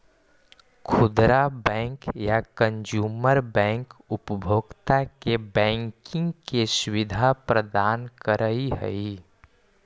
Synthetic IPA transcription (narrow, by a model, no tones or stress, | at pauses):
kʰʊd̪ɾabɛ̃ːŋkjakə̃nd͡ʒuːməɾbɛ̃ːŋkʊpəbʱoːɡt̪akebɛ̃ːŋkɪ̃ŋɡkesʊwɪd̪ʱapɾəd̪aːnkəɾəiɦə̰i